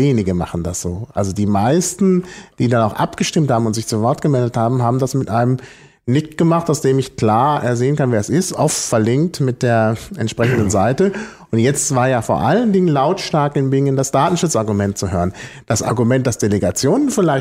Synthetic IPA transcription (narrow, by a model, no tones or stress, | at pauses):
jeːnɪɡəma̰χn̩da̰sz̥oːʔa̰lzodiːmaɪstn̩d̥iːdanaʊxʔa̰pɡ̥əʃtɪmthaːbm̩ʊntz̥ɪçt͡suvɔɐtɡ̥əmɛldəthaːbm̩ɦaːbm̩dasmɪtʔaɪnəm | nɪçktɡ̥əmaχtaʊsd̥eːmɪçkl̥aːɐḛːɐzeːənkanviːɛsɪstʔɔ̰ʊffɛɐlɪŋk̚tmɪt̚d̥eːɐʔɛntʃpʁ̥ɛçn̩dənzaɪtə | ʔʊntjɛt͡stv̥aːɐjaːfoːɐʔaləndɪŋənlaʊtʃtaɐkɪnbɪŋəndasd̥aːtn̩ʃʊt͡sʔaɐɡumɛntt͡suɦøːʁənd̥asʔa̰ɐɡumɛnt̚d̥asd̥eleɡat͡sjoːnənfɪlaɪ